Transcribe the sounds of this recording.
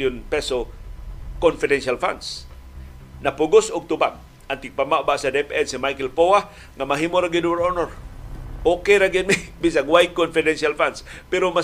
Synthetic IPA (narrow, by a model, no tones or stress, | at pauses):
jʊnpɛso | konfɪdɛnʃalfa̰ns | napʊɡʊsʊɡ̚t̪ʊpam | ʔant̪ik̚pamabaʔsadɛpɛnsimajkɛlpowa | ŋamaɦimoɾaɡɪdwɛɾonoɾʔokeɾaɡid̪̚mibis̬aŋwaj̪̚konfɪdɛnʃalfanspɛɾoma